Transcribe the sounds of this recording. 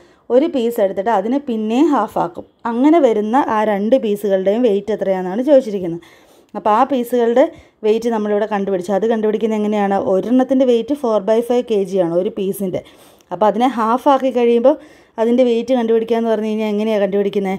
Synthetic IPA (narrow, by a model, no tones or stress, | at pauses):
o̞ɾupiːse̞ɽut̪ːiʈːɨɐðinɨpinːe̞jumɦaːfaːkːum | ɐŋːɐne̞ʋɐɾunːɐʔaːɾe̞ɳɖɨpiːsuɣɐɭɨɽe̞jumʋe̞jtːet̪rɐjanːaːɳɨt͡ɕo̞ːðit͡ɕːiɾikʲːunːɐðɨ | ɐpːoaːpiːsuɣɐɭɨɽe̞ | ʋe̞jtːɨnɐmːɐɭiʋiɽe̞kɐɳɖupiɽit͡ɕːuɐðɨkɐɳɖupiɽikʲːunːɐeŋːɐne̞jaːɳɨʔo̞ɾɐɳːɐt̪ːinde̞ʋe̞jtːɨfo̞ːrbɐjfɐjʋke̞ːd͡ʑijaːɳɨo̞ɾupiːsinde̞ | ɐpːoːɐðinɨɦaːfaːkːikːɐɻijumbo̞ː | ɐðinde̞ʋe̞jtːɨkɐɳɖubiɽikʲːamenːɨpɐrɐɲːuiɲːaeŋːɐne̞jakɐɳɖɨpiɽikʲːunːɐ